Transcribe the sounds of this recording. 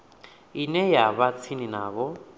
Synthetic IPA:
inɛjaβat͡sʰininaːβɔ

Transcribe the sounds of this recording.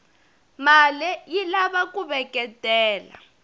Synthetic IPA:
malɛjilaβakuβɛkʼɛtʼɛːla̰

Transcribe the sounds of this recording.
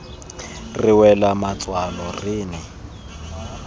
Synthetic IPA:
rɪwɛlamat͡sʼwalɔrɪːnɛ

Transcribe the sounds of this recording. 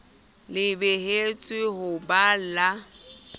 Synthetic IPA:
lɪbeɦet͡sʼwɪɦʊbala

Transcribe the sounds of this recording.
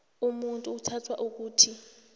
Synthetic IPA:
umuntʼuːtʰatʰwaʔuk̬uːtʰi

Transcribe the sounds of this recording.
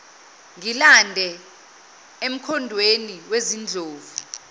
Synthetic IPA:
ŋilandʱɛ | em̩kʰɔndʱweniwezind͡ɮʱoːvu

